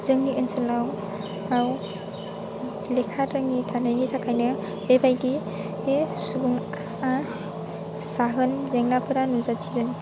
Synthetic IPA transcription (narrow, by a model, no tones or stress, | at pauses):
zɯŋniʔɯnsɯlaw | aw | lekʰatɾɯŋːitʰanɯjnitʰakʰajnɯ | bebajdi | esubuŋ | a | saɦɯnzeŋnapʰɯɾanuzat͡ʃʰizɯŋ